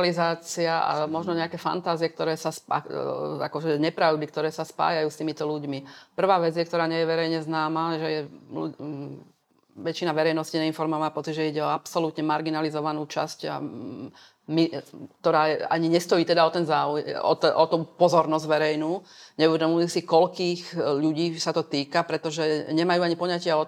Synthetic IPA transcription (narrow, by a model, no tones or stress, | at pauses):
lizaːt͡siaa̰mɔʒnɔɲɛakɛːfa̰nt̪aːziɛk̚t̪ɔɾɛːsasa̰a̰kɔʒɛɲɛpɾaʊd̪ik̚t̪ɔɾɛːsaspa̰ːjajuːst̪iːmit̪ɔluɟmipr̩ʋaːʋɛd͡zjɛkt̪ɔɾaːɲɛjɛʋɛɾɛjɲɛznaːmaːʒɛjɛṵ | ʋɛt͡ʃinaʋɛɾɛjnɔsciɲɛinfɔɾmamaːpɔt͡siɟʒɛiɟɛɔapsɔlut̪ɲɛmaɾɡinalizɔʋanuːt͡ʃa̰sca̰ | mik̚t̪ɔɾaːɛa̰ɲiɲɛst̪ɔjiːt̪ɛd̪aɔt̪ɛnzaːuɛɔ̰ʔɔt̪uːpɔzɔɾnɔzɟʋɛɾɛjnuːɲɛuʋɛd̪ɔmulisikɔʎkiːxʎuɟiːsat̪ɔt̪iːkapɾɛt̪ɔʒɛɲɛmajuːaɲipɔɲacɪaɔ